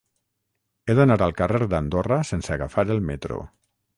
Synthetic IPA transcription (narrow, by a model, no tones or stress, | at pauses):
eðenaɾalˠkareɾd̪and̪orasensaɣafaɾelˠmet̪ɾo̰